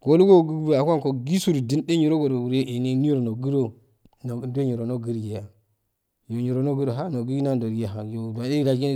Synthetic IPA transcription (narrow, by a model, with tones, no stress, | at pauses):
ɡ̥o˨lu˦ɡo˦ɡu˦bu˨a˨kʷa˦n˨ko˨ɡi˦su˦ɾdi˦nde˦ɲi˨ɾo˦ɡo˨do˨u˨ɾe˦ʔe˨ne˦ni˦ɾo˨no˨ɡi˦ɾo˦ | no˨˦do˦ɲi˨ɾo˨no˦ɡi˦ɾje˨ja˨ | jo˨ɲi˨ɾo˨no˦ɡu˦ɾo˨ɦa˦no˨ɡi˦i˦na˦n˨do˨ɾja˨ɦa˨jo˨da˨de˦ɾa˨ɡi˦